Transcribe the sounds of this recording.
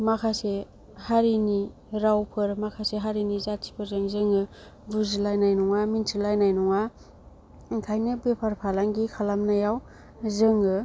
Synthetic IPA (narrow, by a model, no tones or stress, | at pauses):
makʰase | haɾini | ɾawpʰɯɾmakʰaseɦaɾinizasʰi̥pʰɯzɯŋzɯŋɯ | buzilajnajnɔŋamintʰilajnajnɔŋa | kʰajnɯbepʰaɾpʰalaŋɡikʰalamnajaw | zɯŋɯ